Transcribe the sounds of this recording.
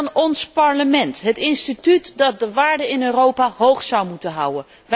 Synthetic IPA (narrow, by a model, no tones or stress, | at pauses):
nɔnspɑɹləmɛntɦətɪnstitytdɑt̚dəʋaːɹdənɪnøːrowpaːɦowχsʌwmutənɦʌwən | ʋ